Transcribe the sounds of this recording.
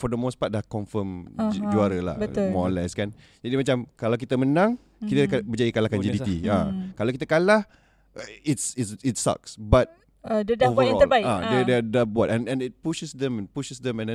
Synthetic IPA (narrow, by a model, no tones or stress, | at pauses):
fɔdəmospat̚dahkɔɱfəmd͡ʒuaɾəla̰bəmɔnlaskan | d͡ʒadimat͡ʃamkalawk̬it̪əmənãŋ | kit̪əkat̚bəd͡ʒajikalakand͡ʒibit̪iakalawkit̪akala | itsitsitsa̰ksbat̚ | ddovəɾɔlaiadɛdɛdabuat̚ɛ̃nɛ̃nit̚puʃəsdɛ̃mɛ̃npuʃəsdɛ̃mɛ̃ndɛ̃